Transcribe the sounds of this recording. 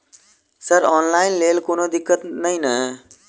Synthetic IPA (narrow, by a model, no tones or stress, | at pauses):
səɾɔːnlaːɪnleːlkonod̪ɪkːət̪nəĩnə